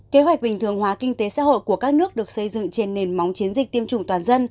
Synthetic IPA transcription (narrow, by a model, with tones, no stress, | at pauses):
ke˨˦ɦwa˨˩k̚ɓï˨˩ŋ̟t̪ʰɨ˨˩əŋɦwaː˨˦kï˧ŋ̟t̪e˨˦sa̰ː˧˥ho̰˧˨ku˧˩əkaː˦˥k̚nɨ˦˥ək̚ɗɨ˨˩ək̚sə˧jzɨ̰˧˨ŋt͡ɕe˧nːe˨˩nma˨˦wŋ͡mt͡ɕi˨˦ənzi˨˩t̪i˧əmt͡ɕʊ˨˩ŋ͡mt̪waː˨˩nzə˧n